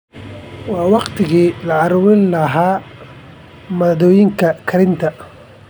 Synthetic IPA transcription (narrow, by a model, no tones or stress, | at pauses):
wɑːwɑqt̪ʰɪɣiːlɐɑɾwɪnlɐɦaː | mɐðɔːjɪŋkʰɐkʰɐɾɪnt̪ʰɐ